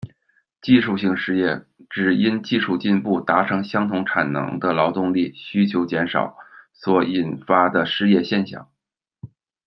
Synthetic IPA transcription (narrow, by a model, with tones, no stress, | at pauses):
t͡ɕi˥˧ʂu˥˧ɕi˥˧ŋʂɻ̩˥˧jɛ˥˩ | ʈ͡ʂɻ̩˨˩i˥nt͡ɕi˥˧ʂu˥˧t͡ɕi˥˧npu˥˩t̪a˧˥ʈ͡ʂʰɤ˧˥ŋɕjɑ˥ŋt̪ʰʊ˧˥ŋʈ͡ʂʰa˨˩nnɤ̰˧˥ŋd̪ə˧lɑ˧˥ʊt̪ʊ˥˧ŋli˥˩ɕy˥t͡ɕʰjo˧˥ʊt͡ɕjɛ˧˥nʂɑ̰˨˩˦ʊswɔ˧˥i˨˩nfa˥d̪ə˨ʂɻ̩˥˧jɛ˥˧ɕjɛ˥˧nɕjɑ̰˥˩˦ŋ